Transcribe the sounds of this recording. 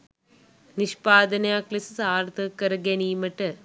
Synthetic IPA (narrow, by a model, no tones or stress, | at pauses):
niʃpaːd̪ɐnɐjaːklisɨsaːɾt̪ɨkːɐɾɐɡeniːmɐʈːɐ